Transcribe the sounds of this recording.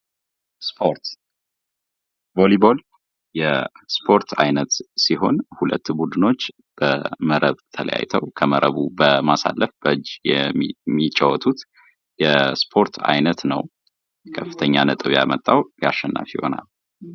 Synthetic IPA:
spʰoɾt̪ | bolibol | jɛspʰo̞ɾt̪ʰajnət̪siɦo̞nhulə̰t̪ːbud̪ɨno̞t͡ʃː | b̥əməɾəβt̪ʰələja̰jt̪ʰəwkʰəməɾʔə̰βubəmasa̰lːʔəfb̥əd͡ʒjɛmːit͡ʃʼːəwɔt̪ʼut̪ | jɛspʰo̞ɾt̪ʰa̰jnət̪nə̰w | kʰəfːɨt̪ʰəɲːanət̪ʼɨβja̰mət̪ʼːawjaʃːɛnːa̰fjɪho̞̰na̰l

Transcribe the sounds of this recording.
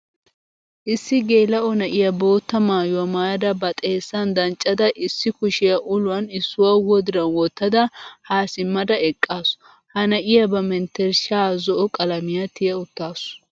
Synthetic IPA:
ʔɪsːɪɡe̞ːlɐʔɔnɐʔɪjɐbo̞ːt̪ːɐmaːjɔmaːjɐd̪ɐbɐt̪ʼeːsːɐnd̪ɐnt͡ʃʼːɐd̪ɐʔɪsːɪkʊʃɪjɐʔʊlʊwɐnɪsːʊwɐwɔd̪ɪɾɐnwɔt̪ːɐd̪ɐhaːsɪmːɐd̪ɐɛkʼːaːsʊ̥ | hɐnɐʔɪjɐbɐmɛnt̪ːɛɾʃaːzɔʔɔkʼɐlɐmɪjɐt̪ɪjɐʊt̪ːaːsʊ

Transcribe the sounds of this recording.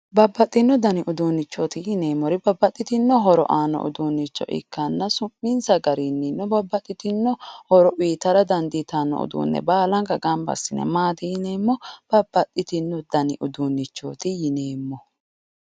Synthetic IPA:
bɐbːɐt̪ʼːɪnːɔd̪ɐnɪʔʊd̪uːnːɪt͡ʃːoːt̪ɪjɪneːmːɔɾɪbɐbːɐt̪ʼːɪt̪ɪnːɔɦɔɾɔ̰ʔaːnːɔ̰ʔʊ̰d̪uːnːɪt͡ʃːɔ̰ʔɪ̰kːɐnːɐsʊmːɪnsɐɡɐɾinːɪnːɔbɐbːɐt̪ʼːɪt̪ɪnːɔhɔɾɔwiːt̪ɐɾɐd̪ɐnd̪it̪aːnːɔ̰ʊ̰d̪ṵːnːɛ̰baːlɐŋɡɐɡɐmbɐ̰sːɪnɛ̰maːd̪ɪɪneːmːɔb̥ɐbːɐt̪ʼːɪt̪ɪnːɔd̪ɐnɪʔʊd̪uːnːɪt͡ʃːo̰ːt̪ɪjɪne̞ːmːɔ

